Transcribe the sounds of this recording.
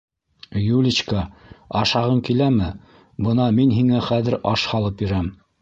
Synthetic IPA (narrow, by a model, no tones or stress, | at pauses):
julʲit͡ɕkɑɑʃɑʁɤŋkilæmɘ | bɤnɑminɦiŋæχæðɘ̆ɾɑʃhɑlˠɤpjɵ̆ɾæm